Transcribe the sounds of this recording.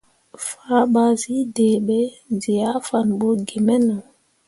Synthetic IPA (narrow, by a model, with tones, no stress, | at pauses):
fa˦ɓa˨zi˦dɛː˨ɓɛ˦ | zi˨ja˦fa˨nbɔ˦ɡi˨mɛ˦nɔ˨